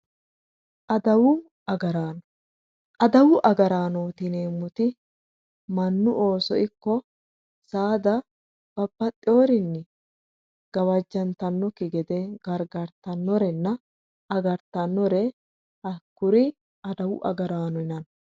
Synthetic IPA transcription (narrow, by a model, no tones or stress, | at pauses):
ʔɐd̪ɐwʊ | ɐɡɐɾaːnɔ | ʔɐd̪ɐwʊʔɐɡɐɾaːnoːt̪ɪneːmːʊt̪ɪ | mɐnːʊʔo̞ːsɔ̰ʔɪkːɔ | saːd̪ɐ | b̥ɐbːɐt̪ʼɪoːɾɪnːɪ | ɡ̥ɐwɐd͡ʒːɐnt̪ɐnːɔkɪɡɛd̪ɛɡ̥ɐɾɡɐɾt̪ɐnːɔɾɛnːɐ | ɐɡɐɾt̪ɐnːɔɾɛ | ɐkːʊɾɪ | ɐd̪ɐwʊʔɐ̰ɡɐɾaːnɔɪnɐn